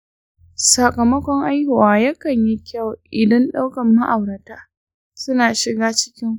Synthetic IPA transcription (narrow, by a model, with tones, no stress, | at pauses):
sɐ˨kɐ˨mɐ˦kʷɔ˦ŋʔa˦jhʊ˨waː˨jɐ˦kɐ˨ɲji˦kʲa˦˨wʔʔɪ˨dɐ˦nɗa˦wkɐ˨mːɐ˦ʔa˨wɽɐ˨taː˦ | sʊ˦naː˨ʃɪ˨ɡaː˦t͡ʃɪ̥˦kʲɪ˦ŋ